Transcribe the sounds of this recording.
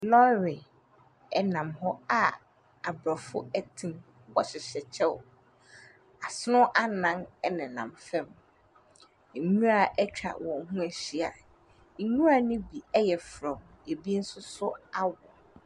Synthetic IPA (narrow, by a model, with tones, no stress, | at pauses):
lɔ˦ɾɪ˨ | ɛ˨nã˨mhɔ˦a˨ | a˨bɾɔ˨fʊ˦ɛ˦tʰĩ˦m | wɔ˨ɕɪ˨ɕɛ˨t͡ɕʰɛ˦ʊ̰˨ | a˨sʊ˦nʊ̃˦ʔa˦nã˦nɛ˦nɪ̃˨nã̰˨mfɛ̃˦m˨ | ɲũ˦a˦˨ʔɛ˦t͡ɕᶣʰɾa̰˨wɔ̃˨n˦ɦũ˦æ˨ɕi˦a˨ | ɲũ˦ɾa˨nʊ̃˦bi˨ɛ˦jɛ˨fɾɔ̃˨m | e˨bi˦n̩˦sʊ˦sʊ˦a˦wɔ˨